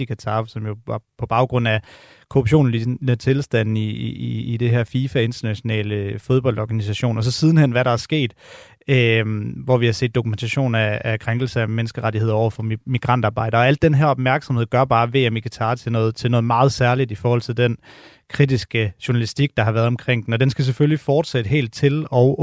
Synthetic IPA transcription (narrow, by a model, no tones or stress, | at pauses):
ikʰæt͡sʰɑ̈ːsɒ̽mjo̝ʋɑ̈pʰɒ̽b̥ɑ̈ʊɡ̥ʁɔ̽n̰æ | kʰo̝ʁub̥ɕo̝̰ːn̩liət͡sʰe̝lsd̥æn̰iːd̥e̝ɦæɐfiːfæe̝nd̥ɐnæɕo̝nɛ̰ːləfo̝ð̞ˠb̥ɒ̽l̰d̥ɒːɡ̥ænis̬æɕo̝̰ːnɒ̽s̬ɒ̽sið̞ˠn̩henʋæɾɑ̈æɐsɡ̥e̝̰ːd̥ | ʋɒʋihɑ̈se̝̰ːd̥ːo̝kument͡sʰæɕo̝̰ːnæːkʰʁaŋɡ̥l̩sɐæmenəsɡ̥əʁaɾihe̝ð̞̰ˠɐɒʊ̰ɐfɒ̽miɡ̥ʁɑ̈n̰d̥ɑ̈ːb̥ɑ̈ɪd̥ɐːæl̰d̥ːenɦæɐɒ̽b̥̚mæɐɡ̥sɒ̽mhe̝ð̞̰ˠɡ̥ɶɐb̥ɑ̈ːʋe̝̰ːemiɡ̥it͡sʰɑ̈ːt͡sʰe̝nɔːð̩ˠt͡sʰe̝lnɔ̽ːð̞̩ˠmɑ̈ːð̞̩ˠsæɐlid̥ifɒːhɒ̽l̰t͡sʰe̝ld̥en | kʰʁid̥isɡ̥əɕuɐnælisd̥iɡ̥̚d̥ɑ̈ɦɑ̈ʋæːɐðˠɒ̽mkʰʁeŋ̰d̥n̩ɒ̽d̥ensɡ̥æs̬eføljlifɒːd̥sed̥əɦe̝̰ːld̥̚t͡sʰe̝lɒ̽ʊ